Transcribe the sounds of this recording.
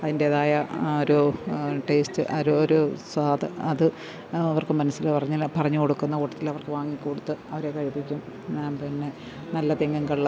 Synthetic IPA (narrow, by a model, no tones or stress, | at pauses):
ɐðindeːðaːjɐoɾuʈe̞ːstɨʔɐɾuoɾuswaːðɨɐðɨ | ɐʋɐrkɨmɐnɐsːilpɐrɐɲːɐlpɐrɐɲːukoɽukːunːɐkuʈːɐt̪ːilɐʋɐrkɨʋaːŋːikːuːɽut̪ːɨɐʋɐɾe̞kɐɻipːikʲːum | ɲaːmpinːe | nɐlːɐt̪eŋɡɐŋɡɐɭː